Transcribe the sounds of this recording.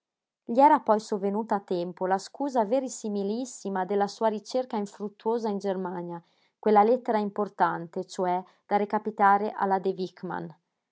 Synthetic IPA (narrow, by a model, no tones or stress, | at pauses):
ʎiɛɾapɔjsovenuːt̪aːt̪ːɛmpolaskuːzaveɾisimilisːimad̪elasuːaɾit͡ʃerkaiɱfɾut̪ːuoːzaind͡ʒermaɲja | kwelalet̪ːeɾaimport̪ant̪et͡ʃoɛ | d̪̥aɾekapit̪aːɾeʔa̰lad̪evikma̰n